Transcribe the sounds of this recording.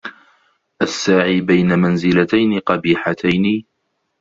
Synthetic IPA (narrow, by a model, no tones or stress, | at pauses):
ʔasːaːʕiːbajnamanzɪlat̪ajnɪqɑbiːħat̪ʰajniː